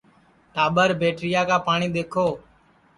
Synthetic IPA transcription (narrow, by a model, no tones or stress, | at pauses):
ʈaːɓəɾbʱeːʈɾɪjaːkaːpaːɳiːɗ̪eːkʰoː